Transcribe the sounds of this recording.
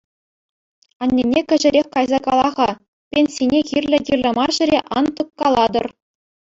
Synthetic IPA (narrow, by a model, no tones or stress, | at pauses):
ɑnʲːenʲekʲɘ̆ʒɘ̆ɾʲexʲkɑjzɑkɑlˠɑʁɑ | pʲenʲsʲinʲekʲirʲlʲɘ̆kʲirʲlʲɘ̆mɑrʑɘ̆ɾʲeʔɑnt̪ɤkːɑlˠɑd̪ɤ̆r